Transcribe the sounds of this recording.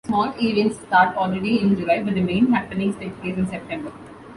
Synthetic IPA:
smɔːʈeːlɪə̃nʈssʈaːɾʈɔːlɾeɖiɪ̃nd͡ʒʊlaɪbəd̪əmẽːnɦæpːə̃nɪ̃ŋsʈeːkʈeːɾɪ̃nsɛp̚ʈɛ̃mbəɾ

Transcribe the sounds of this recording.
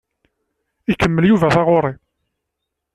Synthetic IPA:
ikəmːəljuvæθɑʁoɾˤi

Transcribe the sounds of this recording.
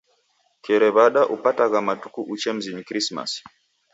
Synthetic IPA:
kɛɾɛβaɗaʔupataɣamatu̥kuʔut͡ʃɛm̩zinikɾisma̰s

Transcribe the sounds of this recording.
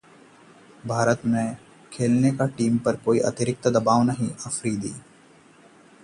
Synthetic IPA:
bʱaːɾət̪mẽ | kʰeːlnekaʈiːmpɐɾkoːiʔɐ̰t̪ɪɾɪk̚t̪d̪ɐbaːʋnɐɦĩɐfɾid̪ḭː

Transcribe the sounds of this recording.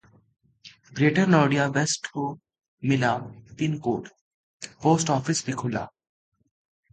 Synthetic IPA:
bɾeːʈəɾnɔːɖijaʋesʈho | mɪlap̪inkoːʈ | poːsʈɔːfɪsbʱikʰʊla̰ː

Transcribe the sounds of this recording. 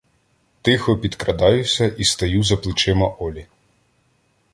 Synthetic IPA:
t̪ɪxɔpʲid̪kɾɐd̪ɑjʊsʲɐʔist̪ɐjuzɐplˠɪt͡ʃɪmɐʔɔlʲi

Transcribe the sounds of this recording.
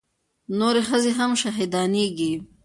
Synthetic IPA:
noɾexəzeɦamʃaɦid̪ɑneɡi

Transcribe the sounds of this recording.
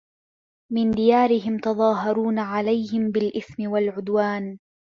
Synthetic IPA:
mɪnd̪ɪjaːɾɪɦɪmt̪ɑðˤɑːɦɑɾuːnaʕalajhɪmbɪlʔɪθmɪwalʕʊd̪waːn

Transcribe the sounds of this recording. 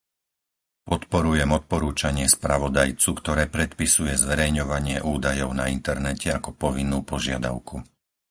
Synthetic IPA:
pɔt̪pɔɾujɛmɔt̪̚pɔɾuːt͡ʃaɲɪɛspɾaʋɔd̪ajt͡sukt̪ɔɾɛːpɾɛt̪pisujɛzʋɛɾɛjɲɔʋaɲɪɛʔuːd̪ajɔʊna̰int̪ɛɾnɛcɛakɔpɔʋinːuːpɔʒɪad̪a̰ʊku

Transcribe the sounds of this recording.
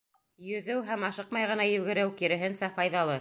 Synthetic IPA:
jɵ̆ðɘwɦæmɑʃɤqmɑjʁɤ̆nɑjɵ̆ɡɘ̆ɾɘwkiɾɘ̆ɦɘnsæfɑjðɑlˠɤ

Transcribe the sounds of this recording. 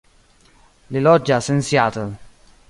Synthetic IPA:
lilɔd͡ʒːasɛnsjat̪əl

